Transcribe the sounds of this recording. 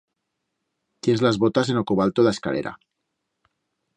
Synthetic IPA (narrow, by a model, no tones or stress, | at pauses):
t̪jenzlazβot̪asenokuβalt̪oðaeskaleɾa̰